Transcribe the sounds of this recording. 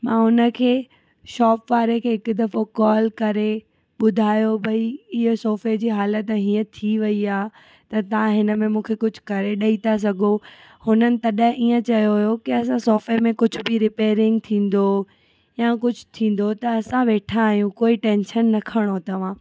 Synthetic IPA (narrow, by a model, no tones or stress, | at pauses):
mãːɦʊnə̆kʰeː | ʃɔːpʋaːɾekʰeːɦɪkʊd̪ɐfokɔːlkɐɾe | ɓʊd̪ʱaːjobʱɐiɪɦsoːfed͡ʑiːɦaːlət̪ɦiːə̃t̪ʰiʋɐiaːɦ | t̪ɐt̪ɐʋãɦɪnəmẽmũːkʰekʊd͡ʑʱʊ̥kɐɾeɗɐit̪ʰas̬ɐɡʱo | hʊnənɪ̆t̪ɐɗɦɪ̃ʔiːə̃t͡ɕɐjojokiɐs̬ãsɔːfemẽkʊd͡ʑʱʊbɪɾɪpeːɾɪ̃ŋɡt̪ʰĩːn̆d̪o | jãːkʊd͡ʑʱʊ̥t̪ʰĩːn̆d̪ot̪ɐːsãʋeːʈʰaːɦijũkoːiʈẽːnʃənːɐkʰəɽ̃ot̪ɐʋ̤ãː